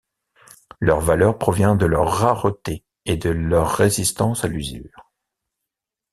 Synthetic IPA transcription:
lœʁvalœʁpχɔvjɛ̃d̪əlœʁːaʁət̪e | ed̪əlœʁːezist̪ɑ̃salyzy̰ːʁ

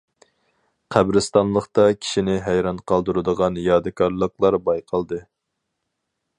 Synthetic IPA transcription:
qʰæbɾɨst̪ɑnlˠəχt̪ɑkʲʰi̥ʃinɪɦæjɾɑnqʰɑlˠd̪uɾɨd̪əʁɑnjɑd̪ɨkʰɑɾlˠəqlˠɑɾbɑjqʰɑlˠd̪ɨ

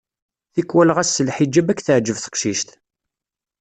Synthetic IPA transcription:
θikːwælʁæsːəlħid͡ʒːæbækːθəʕd͡ʒəvθə̥qʃiʃt̪

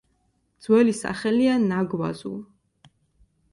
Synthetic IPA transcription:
d̪z̥wɛlisa̰χɛlianaɡwa̰zṵl

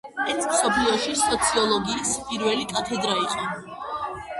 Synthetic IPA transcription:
ɛsmsɔpʰliɔʃisɔt̪sʰiɔlˠɔɡiːspʼiɾvɛlikʼat̪ʰɛd̪ɾaiqʼɔ

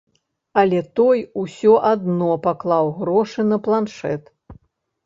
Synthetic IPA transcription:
ɐlʲɛt̪ɔjusʲɔʔad̪nɔpaklˠawɣɾɔʂɨnɐplˠanʂɛ̰t̪

